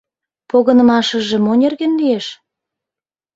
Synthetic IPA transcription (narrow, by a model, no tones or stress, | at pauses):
poɣə̆nə̆mɑʃə̆ʒĕmonʲerɣenlieʃ